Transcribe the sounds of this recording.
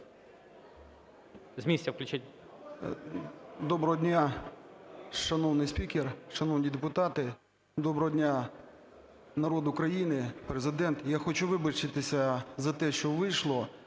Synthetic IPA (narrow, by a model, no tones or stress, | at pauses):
zmʲisʲtʲɐwklʲʊt͡ʃatʲ | d̪ɔbɾɔɦɔdʲnʲa | ʃɐnɔwnɪjsʲpʲikʲerʃɐnɔwnʲid̪epʊt̪ɑt̪ɪ | d̪ɔbɾɔɦɔdʲnʲa | nɐɾɔd̪ʊkɾɐjinɪpɾezɪd̪ɛnt̪jaxɔt͡ʃuʋɪbɐt͡ʃɪt̪ɪsʲɐzɐt̪ɛʃt͡ʃɔʋɪjʃlˠɔ